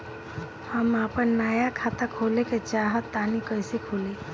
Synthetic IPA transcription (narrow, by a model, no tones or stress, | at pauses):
həmaːpənːaːjakʰaːt̪akʰoːleket͡ʃaːɦət̪ːaːnikəɪsekʰoːliː